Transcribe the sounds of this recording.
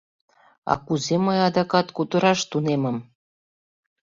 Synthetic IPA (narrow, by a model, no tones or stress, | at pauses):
ɑ̰kuzeməjɑd̪ɑkɑt̪kut̪ə̆ɾɑʃt̪unemə̆m